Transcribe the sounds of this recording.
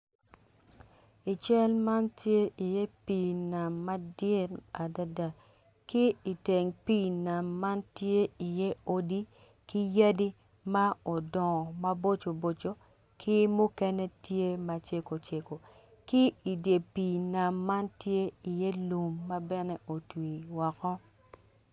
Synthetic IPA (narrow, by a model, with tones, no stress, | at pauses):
i˨t͡ʃɛ˦lma˦ntje˦ʔi˨jɛ˦pi˨na˨mːa˦dɪ˦ɾa˨da˦da˨ | kɪ˦i˨te˨ŋpi˦na˨mːa˦ntje˦i˨je˦o˦di˦ | kɪ˦ja˦di˦ | ma˦o˨dɔ˨ma˦bo˦t͡ʃo˨bo˨t͡ʃo˦ | kʰɪ˦mʊ˦kɛ˦nɛ˦tje˦ma˨t͡ʃe˦ko˨t͡ʃe˨ko˨ | kɪ˦i˨dje˨pi˨na˨mːa˦ntje˦i˨je˦lu˨mːa˦bɛ˦nɛ˦o˨twi˨wɔ˨kɔ˦